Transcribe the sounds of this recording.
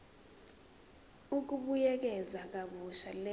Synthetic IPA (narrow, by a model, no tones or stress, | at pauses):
uk̬uɓujɛk̬ɛzak̬aɓuʃalɛ